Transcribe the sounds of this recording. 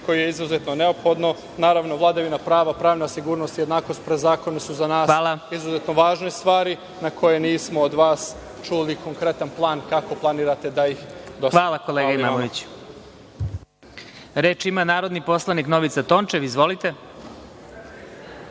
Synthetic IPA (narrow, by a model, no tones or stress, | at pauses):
ko̞jijeizuzet̪noneopxo̞d̪no | naːɾaʋnoʋlˠad̪aʋinapɾaːʋapɾaːʋnasiɡuːɾnost̪jed̪naːko̞st̪̚pɾezaːko̞nesuzanaːsxʋaːlˠaizuzet̪noʋaːʒnest̪ʋaːɾi | nakʰo̞jeniːsmood̪ʋaːs | t͡ʃuliko̞ŋkɾe̞t̪anplˠaːnkako̞plˠaniːɾat̪e̞d̪ajixd̪oxʋaːlˠako̞lˠeːɡaimamoʋit͡ɕ | ɾeːt͡ʃimanaːɾo̞d̪nipo̞slˠanikno̞ʋit̪sat̪o̞ːnt͡ʃeʋizʋo̞lit̪e̞